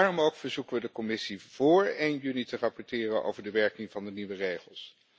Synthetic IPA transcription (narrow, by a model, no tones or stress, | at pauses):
aːrɔmowkfəɹzukəʋədəkɔmɪsiv̥ʊːɹejnjynitərɑpɔɹtɪːrəno̰wvəɹdəʋɛɹkɪŋvɑndəniʋərejχəlˠs